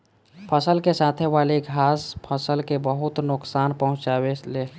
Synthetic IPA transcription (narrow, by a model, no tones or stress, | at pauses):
pʰəsəlkesaːt̪ʰeʋaːleɡʱaːspʰəsəlkebəɦʊt̪nʊksaːnpəɦʊ̃t͡ʃaːweleː